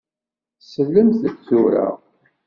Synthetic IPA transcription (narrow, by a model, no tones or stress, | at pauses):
θsəlːəmθətt͡suɾa̰ʁ